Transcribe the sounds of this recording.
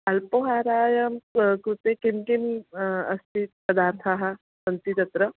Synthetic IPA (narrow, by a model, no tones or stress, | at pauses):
ɐlpoɦaːɾaːjɐmkɾut̪ekimkimɐst̪ʰit̪pɐd̪aːɾt̪ʰaːɦa | sɐnt̪it̪ɐt̪ɾɐ